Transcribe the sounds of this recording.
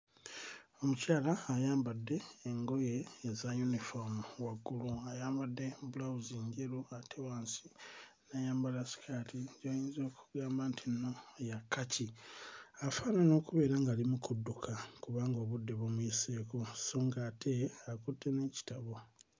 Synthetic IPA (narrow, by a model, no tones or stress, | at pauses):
o̞mucaːlaːjaːmbadːe̞ːŋɡo̞je̞ːzajunifomwaɡːuluajaːmbadːe̞bulawuziɲɟeɾuatʰewaːnsi | najaːmbalasi̥kʰaːtʰiɟojiːnzo̞ːkʰu̥ɡaːmbantʰino̞jakːacʰi | afaːnano̞ːkuβe̞ːɾaŋɡalimukudːukʰakuβaːŋɡo̞ːβudːe̞βomwiːseːkosoːŋɡatʰe̞akutʰːe̞ne̞ːci̥taβo̞